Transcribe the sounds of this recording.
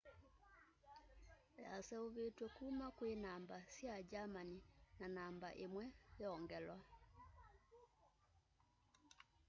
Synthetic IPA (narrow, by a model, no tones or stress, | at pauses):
asɛuβetwɛkuːmakwenambasjad͡ʒamaninanamba̰ʔemwɛɛɔŋɡɛlwa